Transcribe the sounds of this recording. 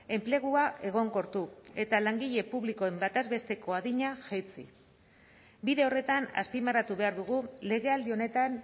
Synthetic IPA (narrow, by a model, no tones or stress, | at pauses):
e̞mple̞ɣ̞uaʔe̞ɣ̞o̞ŋko̞ɾt̪ue̞t̪alaŋɡiʎe̞puβlikoe̞mbat̪azβe̞st̪e̞ko̞aðiɲaʝejt͡sḭ | biðe̞o̞re̞t̪ana̰spimaɾat̪uβe̞aɾðuɣ̞ule̞ɣe̞ald̪io̞ne̞t̪an